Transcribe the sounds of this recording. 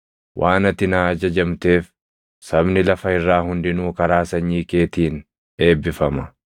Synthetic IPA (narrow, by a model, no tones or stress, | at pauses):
wʔaːnɐt̪ɪnaːɐd͡ʒɐd͡ʒɐmt̪e̞ːf | sɐbnɪlɐfɐɪrːaːɦʊnd̪ɪnuːkɐɾaːsɐɲːiːke̞ːt̪iːn | e̞ːbːɪfɐmɐ